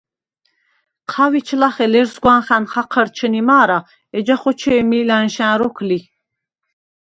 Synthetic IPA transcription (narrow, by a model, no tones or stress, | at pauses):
qʰavit͡ʃʰlaχɛlɛɾsɡwanχanχaqʰəɾt͡ʃʰənimaːɾa | ɛd͡ʒaχɔt͡ʃʰɛːmilanʃæ̃nɾɔkʰli